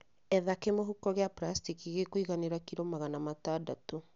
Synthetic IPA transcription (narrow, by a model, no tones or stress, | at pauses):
ɛðakemoɦukɔɣeapɾastikiɣekoiɣaneɾakiɾomaɣanamataːdato